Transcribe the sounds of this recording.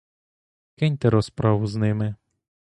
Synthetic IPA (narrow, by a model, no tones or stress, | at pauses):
kɪnʲt̪ɛɾɔspɾɑʋʊznɪmɪ